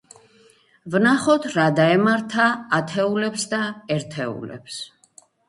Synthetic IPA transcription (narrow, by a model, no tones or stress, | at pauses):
vnaχɔt̪ʰɾad̪aɛmaɾt̪ʰaːt̪ʰɛulɛpsd̪aɛɾt̪ʰɛṵlɛ̰ps